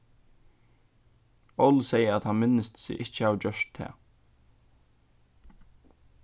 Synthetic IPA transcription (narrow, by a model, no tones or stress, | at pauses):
ɔwlsɛjəæt̪hanmɪnːəst̪sɪ̰ʔɪht͡ʃəhaʋd͡ʑœʂt̪t̪ʰːɛ̰ː